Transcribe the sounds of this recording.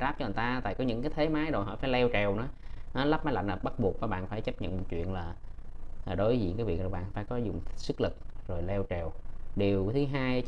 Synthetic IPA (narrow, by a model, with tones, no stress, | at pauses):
aː˦˥p̚t͡ɕɔ˧˨˩t̪aː˧t̪a̰ː˧˨jkɔ˨˦ɲɨ̰˧˥ŋkaː˨˦t̪ʰe˨˦maː˨˦jzo˨˩jhɔ̰˧˥˩faː˧˩jlɛ˧wt͡ɕɛ˨˩wnɔ˨˦nɔ˨˦la˦˥p̚mːa˨˦la̰˧˨jŋnə˨˩ɓa˦˥t̚ɓu˨˩ək̚vaː˨˩ɓa̰ː˧˨nfaː˧˩jt͡ɕə˦˥p̚ɲə̰˧˨nmɔ̰˨˩t̚t͡ɕwḭ˧˨ənlaː˨˩ | aː˨˩ɗo˨˦jzḭ˨˧˨ŋkaː˨˦jvi˨˩ək̚zo˨˩ɓa̰ː˧˨faː˧˩jkɔ˨˦zʊ˨˩ŋ͡msɨ˦˥k̚lɨ˨˩k̚zo˨˩jlɛ˧wt͡ɕɛ˨˩wɗi˨˩əwt̪ʰɨ˨˦ɦaː˧j